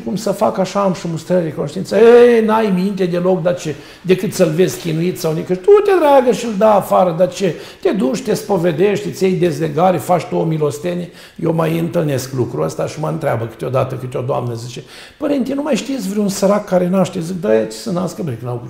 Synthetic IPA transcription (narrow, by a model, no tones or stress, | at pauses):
kumsəfakaʃaːmʃumust̪ɾəɾad̪ekonoʃt̪iint̪səenajmint̪e̞d̪e̞lo̞kd̪at͡ʃe | d̪e̞kɨt̪səlvezʲkʲinuit̪sawnekəʃt̪ut̪ʲed̪ɾaɡəʃild̪aːfaɾəd̪at͡ʃet̪ʲe̞d̪ut͡ʃt̪ʲespo̞ved̪eʃt̪t̪sʲejd̪e̞zleɡaɾefat͡ʃt̪uomilo̞st̪enʲe | jewmajɨnt̪ɨlne̞sklukɾuəst̪aʃiməɨnt̪ɾʲeabəkɨ̥t̪eo̞d̪at̪əkɨt̪ʲeo̞d̪oa̰mnəzit͡ʃe̞ | pəɾent̪ʲinumajʃt̪ijesʲvɾʲeunsəɾakːaɾe̞naʃt̪ezikd̪ajt͡ʃe̥sənaskəbɾeknaɡ